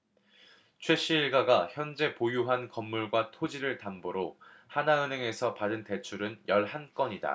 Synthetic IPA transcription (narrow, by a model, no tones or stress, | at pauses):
t͡ɕʰwe̞ɕ͈ʰiːɭɡaɡaçjʌnd͡ʑe̞pojuɦankʌmːuɭɡwatʰod͡ʑiɾɯɭtamboɾohanaɯnɦe̞ŋe̞sʰʌpadɯnte̞t͡ɕʰuɾɯnjʌɭhank͈ʌɲida̰